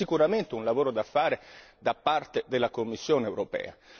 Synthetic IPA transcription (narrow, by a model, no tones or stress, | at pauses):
ikuɾament̪eunlavoːɾod̪afːaːɾed̪apːart̪ed̪elːakomːisːjoːneɛːwɾopɛ̰ːa̰